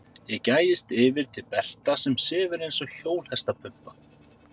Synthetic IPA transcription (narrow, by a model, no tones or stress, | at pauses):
jɛcaːjɪst̪ɪːvɪɾ̥t̪ʰɪlpɛr̥t̪asɛmsɪːvʏɾejnsɔçoːwlhɛst̪apʰʏpːa